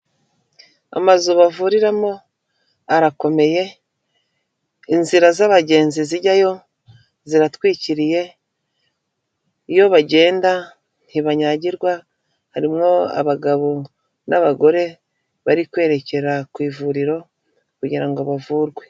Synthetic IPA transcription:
a̰mazuβavuːɾiɾamo | aɾako̞me̞je̞ | inziɾazaβaɟe̞ːnziziɟajo̞ | ziɾatwiːciɾije̞ | jo̞βaɟe̞ːnda | n̥iβaɲaɟiɾɡwa | haɾimŋo̞a̰βaɡaβo̞ | naβaɡo̞ɾe̞ | βaɾikwe̞ːɾe̞ce̞ɾakwiːvuɾiɾo̞ | kuɟiɾaŋɡo̞βavuːɾɡwe̞

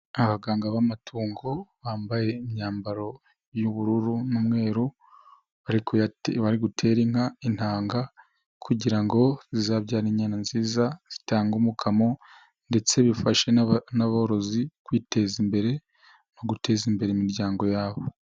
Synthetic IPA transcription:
aβaɡaːŋɡaβamatʰuːŋɡo̞βaːmbaje̞imɲaːmbaɾo̞ | juβuɾuɾunumŋe̞ːɾu | βaɾikʰojaβaɾiɡutʰe̞ɾiŋ̥ain̥haːŋɡa | kʰuɟiɾaŋɡo̞zizaːβɟaːɾiɲɲaːnanziːzaz̥itaːŋɡumukʰamo̞ | nde̞t͡se̞βifaʃe̞naβooɾo̞zikwiːte̞zimbe̞ɾe̞ | no̞ɡutʰe̞zimbe̞ɾeimiɾɟaːŋɡo̞jaːβo

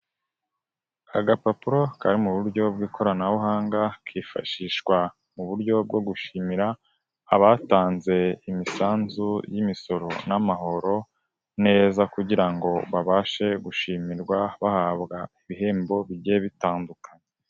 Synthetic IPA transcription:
aɡapapuɾo̞kaɾimuβuɾɟo̞bɡiːkʰo̞ɾanaβuɦaːŋɡakʰiːfa̰ʃiːʃwa | muβuɾɟo̞b̚ɡo̞ɡuʃiːmiɾaː | βaːtaːnze̞imisaːnzujimiso̞ɾo̞namaɦo̞ɾo̞ | ne̞ːzakuɟiɾaŋɡo̞βaβaːʃe̞ɡuʃiːmiɾɡwaβahaːβɡaiβiɦe̞ːmbo̞βiɟeβitaːndukʰaɲe

